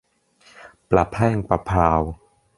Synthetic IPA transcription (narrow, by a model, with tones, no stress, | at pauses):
pla˨˩pʰɛː˥˩˨ŋpa˧pʰaː˧w